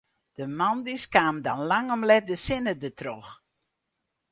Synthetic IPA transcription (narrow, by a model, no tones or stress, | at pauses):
d̥əmandiskaːmdɔnlaŋɔmlɛt̚dəsɪnədətʰrox